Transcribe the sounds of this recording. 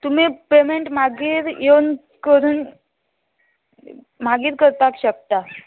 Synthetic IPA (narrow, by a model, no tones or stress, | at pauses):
t̪um̤iːpemeɳʈm̤aɡiːɾjen | kəɾuːn | m̤aɡiːɾkəɾt̪akɕək̚t̪a